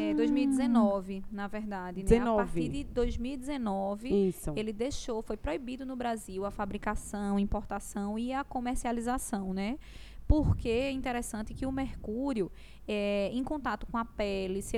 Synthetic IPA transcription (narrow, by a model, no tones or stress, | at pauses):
ɛd̪ojzmiwid̪ɛzenɔvɪnavɛɾd̪ad̪ɪnɛaɔaɾvt̪iɾd̪ɪd̪ojzmiwid̪ɛzenɔvɪiselɪd̪eʃofojpɾoibid̪ʊnʊbɾaziwɐfabɾikasɐ̃w̃ĩpoɾt̪asɐ̃w̃iakõmeɾsializasɐ̃w̃nɛ | poɾkeɛĩt̪ɛɾesɐ̃nt̪ɪkɪʊmehkuɾiʊ | ɛẽj̃kõnt̪at̪ʊ̥kõɐpɛlis